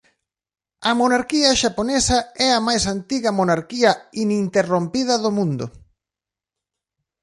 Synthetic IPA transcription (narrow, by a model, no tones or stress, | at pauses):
ɐmonaɾkiɐʃaponesɐɛɐmajsant̪iɣɐmonaɾkiɐinint̪erompiðɐðomũnd̪ʊ̰